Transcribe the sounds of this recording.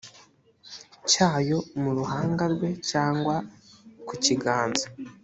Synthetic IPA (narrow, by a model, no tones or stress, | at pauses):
caːjo̞muɾuɦaːŋɡaɾɡwe̞caːŋɡwakuciɡaːnza